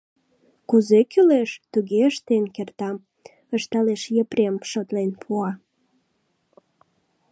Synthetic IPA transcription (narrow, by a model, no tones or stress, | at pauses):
kuzekyleʃt̪uɣeəʃt̪enkert̪ɑm | əʃt̪ɑleʃjəpɾemʃot̪lenpʰuɑ